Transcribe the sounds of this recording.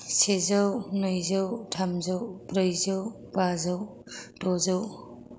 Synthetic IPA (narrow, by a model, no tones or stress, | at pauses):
sezawnɯjzawtʰamzawpɾɯjzaw | pazaw | tɔzaw